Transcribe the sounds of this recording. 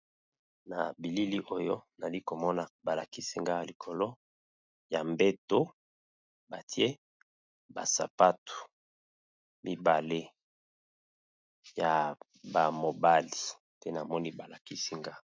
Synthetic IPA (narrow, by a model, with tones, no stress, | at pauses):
na̰˨bi˨li˦li˦ʔo˦jo˦na˨li˦ko˨mɔ˦na˨ba˨la˨ki˦si˦ŋɡa˦˨li˨kʰo˨lo˦ | ja˨mbe˦to˦ | ba˨ti˦e˦ | ba˨sa̰˨pa˦tu̥˨ | mi˦ba˨le˦ | ja˨ | ba˨mo˨ba˦li˨ | tɛ˦na˨mɔ˦ni˦ba˨la˨ki˦si˦ŋɡa˦